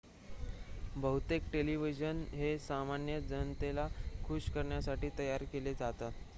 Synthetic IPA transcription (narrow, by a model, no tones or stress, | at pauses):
bəɦut̪ekʈeliʋid͡ʑənɦesamanjəd͡zənt̪elakʰuɕkəɾɳjasaʈiːt̪əjaɾkeled͡zat̪at̪